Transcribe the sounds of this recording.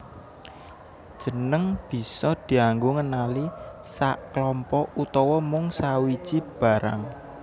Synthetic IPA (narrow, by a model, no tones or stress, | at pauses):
d̥ʒ̥ə̤nəŋb̥i̤sɔd̪̥i̤aŋɡoŋənalisaʔklɔmpɔut̪ɔwɔmʊŋsawi̥ʒ̥ib̥a̤ɾa̰ŋ